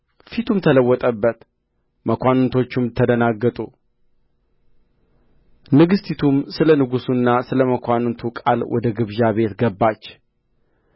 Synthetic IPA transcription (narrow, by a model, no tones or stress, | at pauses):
fit̪ʰumt̪ʰələwːɔt̪ʼəbːət̪ | məkʷanɨnt̪ʰo̞t͡ʃːumt̪ʰːəd̪ənaɡːət̪ʼu | nɨɡɨst̪ʰit̪ʰumsɨlənɨɡusunːasɨləməkʰʷannt̪ʰukʼa̰lwʔɔ̰d̪əɡɨβʒaβe̞t̪ɡəbːat͡ʃː